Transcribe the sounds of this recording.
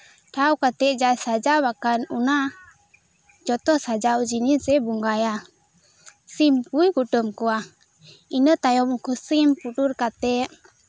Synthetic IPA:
ʈawkat̪ɛʔd͡ʒasad͡ʒawakanuna | d͡ʒɔt̪ɔsad͡ʒawd͡ʒinisɛbuŋɡaja | simpujɡuʈəmkuwa | inət̪ajɔmkusimpuʈuɾkat̪ɛʔ

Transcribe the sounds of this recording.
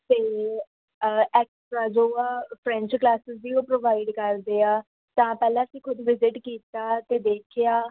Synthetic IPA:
t̪eː | ɛːksʈɾaːd͡ʒoːaːpʰɾɛ̃ɲt͡ʃklaːsɪsd̪iːõːpɾoːʋaːɪɖkəɾd̪eːaː | t̪ãːpɛːlãːsiːkʰʊd̪ʋɪzɪʈkiːt̪aːt̪eːd̪eːkʰɪjaː

